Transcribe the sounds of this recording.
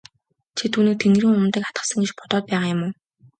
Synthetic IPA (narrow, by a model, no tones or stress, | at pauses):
t͡ɕʰet̪ʰuːnĭk̚t̪ʰeŋɡɾiŋʊmt̪ĕkḁt̪ɢə̥̆sə̆ŋɡet͡ɕpɔt̪ɔt̪̚pæːʁajʊmo